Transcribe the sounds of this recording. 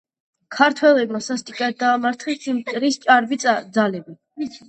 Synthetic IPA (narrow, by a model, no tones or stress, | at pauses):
kʰaɾt̪ʰwɛlɛbmasast̪ʼikʼat̪̚d̪aːmaɾt̪ʰχɛssimt̪ʼɾist͡ʃʼaɾbid̪zalɛbi